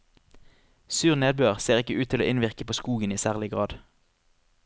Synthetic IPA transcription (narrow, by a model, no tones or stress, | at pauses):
syːʁneːd̪̚bøːʁseːʁɪkəʉːt̪ʰɪlo̰ːʔɪnʋɪʁkəpʰoːskuːɡəniːsæːʁlɪɡʁɑːd̪